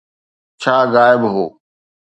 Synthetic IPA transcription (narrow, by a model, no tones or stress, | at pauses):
t͡ɕʰaːɣaːɪbɦo̰ː